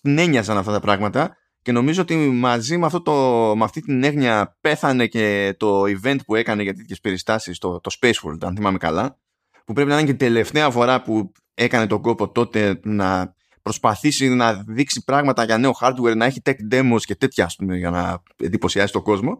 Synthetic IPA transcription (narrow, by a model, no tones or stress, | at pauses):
t̪ine̞ɲɐsɐnɐft̪ɐt̪ɐpɾɐɣmɐt̪ɐ | ce̞no̞mizoot̪imɐzimeɐft̪ot̪omɐft̪it̪ine̞ɣɲɐpe̞θɐne̞ce̞t̪o̞ive̞nt̪pue̞kɐneʝɐt̪et̪çe̞spe̞ɾist̪ɐsist̪ot̪o̞spejswo̰lt̪ɐ̰nθimɐmekɐ̰lɐ | pupɾp̬inɐiɐɲeid̪e̞le̞ft̪e̞ɐfo̞ɾɐpu | e̞kɐne̞t̪o̞ɡo̞po̞t̪o̞t̪e̞nɐ | pɾo̞spɐθisinɐðiksipɾɐɣmɐt̪ɐʝɐne̞o̞xɐɾd̪we̞ɾnɐeçit̪e̞kd̪e̞mosce̞t̪e̞t̪çɐːspume̞ʝɐnɐ̰ | nd̪ipo̞siɐsi̥t̪o̞ɡo̞zmo̞